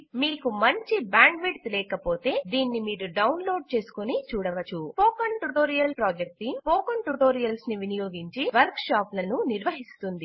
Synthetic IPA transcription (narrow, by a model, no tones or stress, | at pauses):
miːkumɐɲt͡ʃibaːŋɡʋiʈt̪lɛːkɐpo̞ːt̪e̞ːd̪iːnːimiːɾuɖɐwnlo̞ːɖ̚t͡ʃe̞ːsu̥konit͡ʃuːɽɐʋɐt͡ʃupoːkɐɳʈuʈoːɾijɐlpɾaːd͡ʒek̚ʈipoːkɐnʈuʈoːɾijɐlsniʋinijoːɡiɲt͡ʃiʋɐɾkʂaːplɐnuniɾʋɐɦist̪und̪i